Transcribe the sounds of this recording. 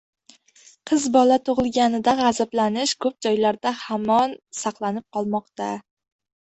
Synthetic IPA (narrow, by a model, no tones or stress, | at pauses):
qʰɨzbɒlat̪ʰoʁɨlˠɡʲanɪd̪aʁazablanɪʃkʰɵp̚d͡ʒɒjlaɾd̪ahamɒnsɑqlˠanɪp̚qʰɒlˠmɒqt̪a